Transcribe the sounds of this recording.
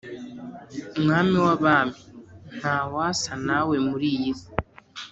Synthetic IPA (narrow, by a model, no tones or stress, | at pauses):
umŋaːmiwaβaːmin̥hawasanawe̞muɾijizi